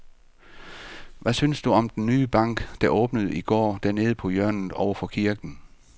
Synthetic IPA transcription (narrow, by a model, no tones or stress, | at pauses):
ʋæsynsd̥uɒ̽md̥enːyːb̥ɑ̈ŋ̰ɡ̥d̥æ̈ʔɔ̽ːb̥nəð̞̩ˠiɡ̥ɒ̰ːd̥æɐne̝ːð̞̩ˠəpʰɒ̽jɶɐ̰nð̩ˠɒʊɐfɒ̽kʰiɐɡ̥n̩